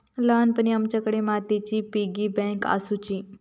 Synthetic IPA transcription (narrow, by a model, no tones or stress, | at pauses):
laːnpəniəmt͡ʃəkɽemat̪it͡ʃipiɡibɛ̃ŋka̰sut͡ʃi